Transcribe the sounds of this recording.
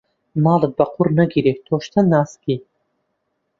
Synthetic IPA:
mɑːlˠɨt̪̚bɐqʰurnɐɡiɾet̪ʰoːʃt̪ʰɐnːaːski

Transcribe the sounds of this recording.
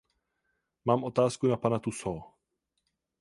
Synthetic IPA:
maːmʔo̞t̪aːskunapanat̪usoː

